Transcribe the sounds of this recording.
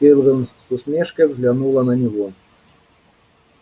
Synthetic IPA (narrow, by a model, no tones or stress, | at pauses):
ɛlvɨmsʊsmʲɛʂkəvzʲlʲanulˠɐnɐnʲivɔ